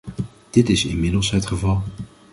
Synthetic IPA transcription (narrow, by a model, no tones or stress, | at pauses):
d̥ɪtɪsɪnmɪdəlˠsɦətχəvɑlˠ